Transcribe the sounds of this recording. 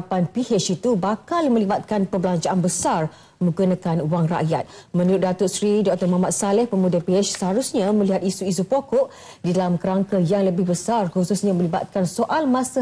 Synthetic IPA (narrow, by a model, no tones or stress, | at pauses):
panpihet͡ʃit̪ubakalmə̃libat̪̚kanpəbəlaɲt͡ʃaʔanbəsar | mə̃ɡunãkanuwaŋra̰ʔjat̪̚mə̃nuɾʊt̪̚dat̪oʔsɾidɔk̚t̪ɔrmaɦmat̪̚salɛhpəmudəpiɛt͡ʃsəɦaɾusɲamə̃liɦat̪̚isuis̬upokɔʔ | didalamkəɾaŋkəjaŋləbɪhbəsarkususɲamə̃liba̰t̪̚kansoʔalmãsa